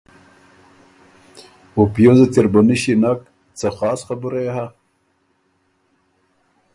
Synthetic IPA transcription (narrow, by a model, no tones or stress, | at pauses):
opjozat̪iɾbaniɕinak̚ | t͡saxɑːsxabuɾajaha